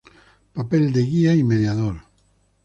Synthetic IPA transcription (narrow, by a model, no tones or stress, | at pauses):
papeld̪eɣiaimeðjaðol